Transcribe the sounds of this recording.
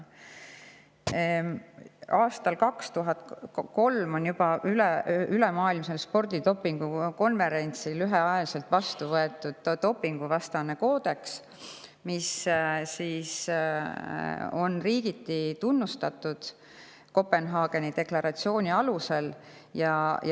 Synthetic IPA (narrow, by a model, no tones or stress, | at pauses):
ɑːst̪ɑlkɑkst̪uɦɑt̪ko̞lmo̞njub̥ɑʔylɛylemɑːilmse̞lspo̞rd̪id̪o̞pːiŋɡ̥uko̞nve̞ɾe̞nʲt̪silyɦeɑjɑlise̞lt̪vɑst̪uvɤe̞t̪ːˑud̪̥t̪o̞pːˑiŋɡ̥uvɑst̪ɑne̞ko̞ːd̪̥e̞ks | missiːs | o̞nriːɡ̥it̪ːit̪unːust̪ɑt̪ːˑud̪̥ | ko̞pːe̞nɦɑːɡ̥e̞nid̪e̞klɑɾɑt̪sio̞ːnʲiɑluse̞l | jɑj